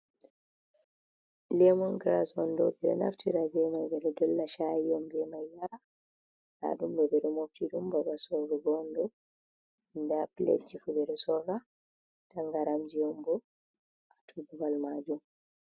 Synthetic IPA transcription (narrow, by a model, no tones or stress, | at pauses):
lɛmɔŋɡɾa̰sɔndɔ̰bɛɾɛ̰na̰ftiɾabɛmajbɛɾɛdɔlːaʃajijɔmbɛmajːaɾa | la̰dumbɛbɛɾɛmoftidumbabasɔɾɔɡɔndɔ | ndapilḛd͡ʒifubɛɾɛsɔrɾa | taŋɡaɾamd͡ʒijɔmbɔ | ʔatʰububalmad͡ʒum